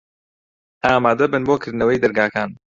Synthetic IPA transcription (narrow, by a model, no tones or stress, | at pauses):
aːmaːd̪ɐbɨnboːkʰɨɾd̪nɐwejd̪ɐɾɡaːkaːn